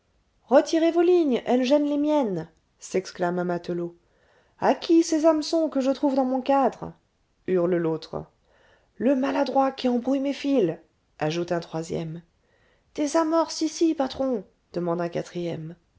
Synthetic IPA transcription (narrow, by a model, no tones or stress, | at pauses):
ʁət̪ʰiʁevoliɲɛlʒɛnlemjɛn | sɛksklamamat̪əlo | akʲisezamsɔ̃kəʒət̪χuvd̪ɑ̃mɔ̃kad̪ʁ | yʁləlot̪χ | ləmalad̪ʁwakʲiɑ̃bʁyjmefil | aʒut̪ɛ̃t̪χwazjɛ̰m | d̪̥ezamɔʁsisipat̪χɔ̃ | d̪̥əmɑ̃d̪ɛ̃kat̪χijɛm